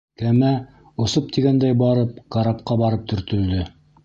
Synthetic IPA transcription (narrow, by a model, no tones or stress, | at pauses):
kæmæ | ŏsɤp̚t̪iɡænd̪æjbɑɾɤp̚qɑɾɑp̚qɑbɑɾɤp̚t̪ʰɵ̆ɾt̪ɵ̆ld̪ɘ